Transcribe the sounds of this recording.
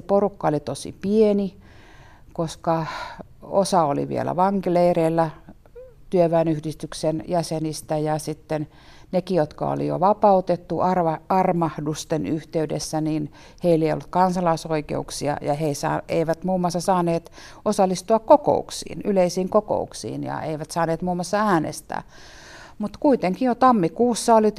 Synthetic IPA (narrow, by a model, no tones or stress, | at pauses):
seporukːɑolit̪osḭpieni | koskɑ | osɑolḭʋḭḛlæ̰ʋɑŋkileireilːæ | t̪yøʋæinyhdist̪yksenjæsenist̪æjɑsit̪ːen | nekijot̪kɑ̰o̰lḭjo̰ʋɑpɑut̪et̪ːuʔɑrʋɑɑrmɑhdust̪enyht̪eydḛsːæniːn | heilːeijo̰lːut̪̚kɑnsɑlɑisoikḛuksiɑ̰jɑheisɑ̰ːḛiʋæt̪muːmːoɑlsɑsɑːneːt̪ | osɑlːist̪uɑkkoko̰ṵksḭːnyleisiːŋkoko̰ṵksḭːnjɑ̰eiʋæt̪sɑːneːt̪muːmːɑsːɑæːnḛst̪æ̰ː | mut̪kuit̪eŋkijot̪ɑmːikuːsːɑoli